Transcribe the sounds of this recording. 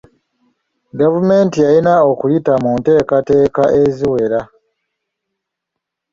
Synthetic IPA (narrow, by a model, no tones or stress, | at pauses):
ɡavume̞ːntijalinaokulitamunte̞ːkate̞ːkaʔeziwe̞ɾa